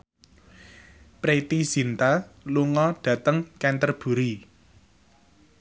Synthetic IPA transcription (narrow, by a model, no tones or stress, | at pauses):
pɾet̪isint̪aluŋɔɖ̥ä̤t̪əŋkɛnt̪ərb̥ṳɾi